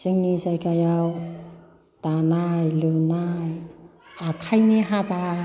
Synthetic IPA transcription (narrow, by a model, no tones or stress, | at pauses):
siŋnisajkʰajaw | tanajlɯnajakʰajneɦaba